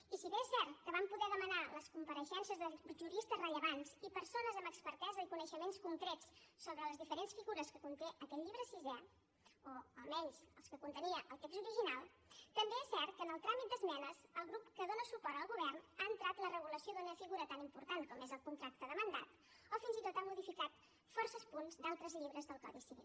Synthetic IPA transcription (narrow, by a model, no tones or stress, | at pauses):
isiβeɛsɛɾt̪kəβampuðɛðəmənaləskumpəɾəʃɛnsiəzðəʒuɾist̪əzrəʎəβ̞anzipəɾsonəzəməkspəɾt̪ɛzəikunəʃəmenskuŋkɾɛtt͡sːoβɾələzðifəɾensfiɣuɾəskəkunt̪eʔəkɛt̪ʎiβɾəsizɛ | oəlˠmɛnsəlˠskəkunt̪əniəʔəlˠt̪ekzt̪uɾiʒinalˠ | t̪əmbeɛsːɛɾt̪kənəlˠt̪ɾamit̪d̪əzmɛnəzəlˠɣɾupkəðonəsupɔɾt̪əlˠɣuβ̞ɛrnaənt̪ɾat̪lərəɣ̞uləsiod̪unəfiɣuɾət̪animpuɾt̪ankɔmezəlˠkunt̪ɾak̚t̪əðəmənd̪at̪ | ofinzit̪ot̪amuðifikat̪ | fɔrsəspunzd̪alˠt̪ɾəzʎiβɾəzðəlˠkɔ̰ðisiβḭlˠ